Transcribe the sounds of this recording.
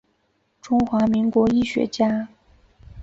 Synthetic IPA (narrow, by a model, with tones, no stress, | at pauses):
ʈ͡ʂʊ˥ŋxwa˧˥mi˧˥ŋkwɔ˧˥i˥˩ɕɥɛ̰˧˥t͡ɕja˥